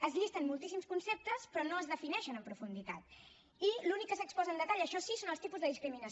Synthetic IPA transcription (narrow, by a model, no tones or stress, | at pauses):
əzʎist̪ənmulˠt̪is̬imskunsep̚t̪əspɾɔnoəzðəfinɛʃənəmpɾufund̪it̪at̪̚ | ilunikːəsəkspɔzənd̪ət̪aʎəʃɔsisonəlˠst̪ipuzðəðiskɾiminə